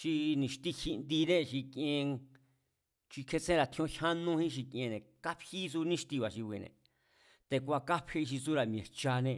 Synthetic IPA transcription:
ʃi˧nĩ˧ʃt̪i˦hi˧nd̪i˧nẽ˦ʃi˧kẽ˧ | t͡ʃi˧kʰe˧t͡sẽ˦ɾa˧˨t̪ʰĩ˧õ˦ha˦nũ˧hĩ˦ʃ̬i˧kẽ˧nẽ˨ka˦phi˦s̬u˧nĩ˦ʃt̪i˧βa˨ʃi˧βi˧nḛ̃˨ | t̪e˧kʷa˧ka˦phe˦˧i˧ʃi˧su˦ɾa˨mj̃ẽ˨t͡ʃa˧nẽ˧

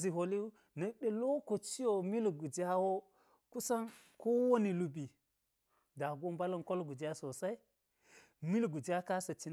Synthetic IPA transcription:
zi˨ɦo˨li˦u˦ | nɐ˨ɗe˨lo˦ko˨t͡ʃi˦jo˨mi˦lɡu˨d͡ʒa˦wo˦ | ku˦sa˦n | ko˦wo˦ni˨lu˨bi˨ | da˨ɡo˦mba˦lɐ˦nko˦lɡu˨d͡ʒi˦a˦so˨sa˦i˦ | mi˦lɡu˨d͡ʒa˦ka˦sɐ˨t͡ʃi˨n

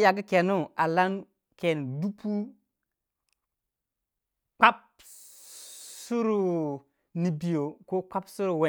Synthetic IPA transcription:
ja˨ɡi˦ke˨nu˦a˨la˦n | ke˨n˨du˦pu˦ | k͡pa˦p̚ | su˦ɾu˨ | ni˨bi˨jo˨ko˦k͡pa˦psu˦ɾu˨we˨

